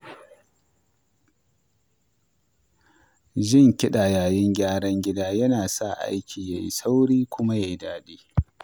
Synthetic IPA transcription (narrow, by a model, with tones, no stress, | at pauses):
ʒɪ˦ŋkʲɪ˦ɗa˨jaː˨jɪ˦ŋɡʲaː˦ɽɐ˦ŋɡʲɪ˦daː˦jɐ˦naː˨sa˦˨ʔa̰˦jkʲʰiː˨ja˨jḭ˦sa˦wɽiː˦kʷʊ˦ma˦ja˨ji˦daː˦diː˦